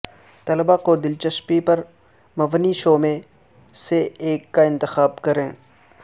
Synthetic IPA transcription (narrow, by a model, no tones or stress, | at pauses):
t̪ɐləbakod̪ɪlt͡ʃəʃpipɐɾ | mɐʋniʃoːmẽ | seeːkːaɪ̃nt̪ɪxaːbkɐɾẽː